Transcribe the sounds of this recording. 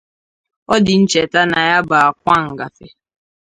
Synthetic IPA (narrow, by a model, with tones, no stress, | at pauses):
ɔ˦dɪ˨n̩˦t͡ʃe˨ta˦na˨ja˦ba˨a˨kʷa˦ŋ̩˨ɡa˨fe˨